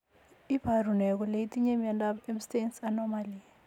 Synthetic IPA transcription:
ib̥ʱarunɛk̬ɔleitʼiɲemiandabɛmstensanɔmalia

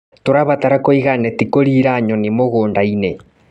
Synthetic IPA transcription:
toɾaβataɾakoiɣanetikoɾiɾaɲonimoɣoːndaine

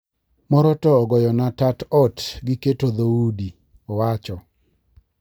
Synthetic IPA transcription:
mɔɾɔtɔːɡɔjɔnatatɔtɡɪketoðaudi | ɔwat͡ʃɔ

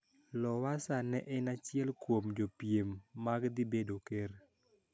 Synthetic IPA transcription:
lɔwasanɛʔɛnat͡ʃɪɛlkwomd͡ʒopjemːaɡd̪ibedoker

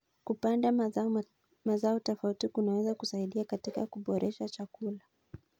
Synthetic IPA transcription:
kupanda | mazaɔtɔfautikunawɛzakusaiɗiakatikakuɓɔɾʔɛʃat͡ʃakula

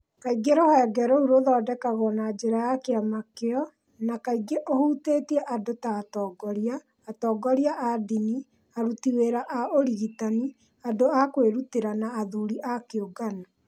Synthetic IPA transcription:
kaiɡeɾohɛːɡɛɾouɾoðɔːdɛkaɣɔnad͡ʒeɾajakeamakeɔ | nakaiɡeʔohuteːtiɛʔadotaːtɔːɡɔɾiaː | tɔːɡɔɾiaʔadini | aɾutiweɾaʔaoɾiɣitani | adoakweɾuteɾanaːðuɾiʔakeoɡana

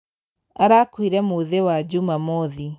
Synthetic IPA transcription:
aɾakwiɾɛmoðewad͡ʒumamɔði

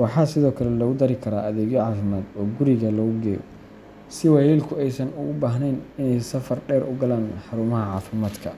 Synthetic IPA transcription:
wɑħɑːsɪðɔːkʰɐlɛlɔɣʊd̪ɐɾɪkʰɐɾaːʔɐðɛːɣjɔʕɑːfɪmaːd̪ɔːɡʊɾɪɣɐlɔːɣʊɡɛːjɔ̰ | sɪwɐjɛːlkʰʊɛjsɐnʊɣʊbaːɦnɛnɪnɛjsɐfɐrɖɛːɾʔʊɡɐlaːnħɑɾuːmɐɦɐʕɑːfɪmaːd̪kʰɐ

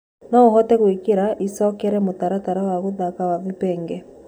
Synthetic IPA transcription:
nɔoɦɔtɛɣwikeɾaʔisɔkɛɾɛmotaɾataɾawaɣoðakawavipɛːŋɡɛ

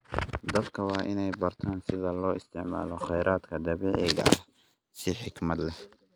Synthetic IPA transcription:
d̪ɐbkʰɐwɑːʔɪnɛjbɐrt̪ʰaːnsɪðɐlɔːɪst̪ʰɪʕma̰ːlɔχɛjɾaːd̪kʰɐd̪ɐβiːʕɪɣɐ̰ɐh | sɪħɪkmɐd̪lɛh

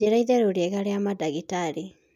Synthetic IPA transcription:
eɾaiðeɾuɾekaɾeamadaɡitaɾi

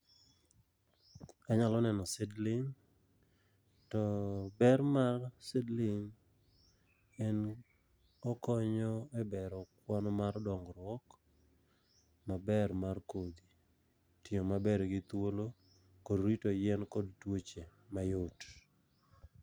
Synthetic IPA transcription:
aɲalɔnɛnɔsɛdlɪŋ | tɔbɛrmarsɛdlɪŋ | ɛn | ɔkɔɲɔɛbɛɾɔkwanɔmardɔŋɡɾwɔk | mabɛrmarkod̪i | tiomabɛɾɡɪt̪wolo | kodɾitojɛnkodtwot͡ʃemajot

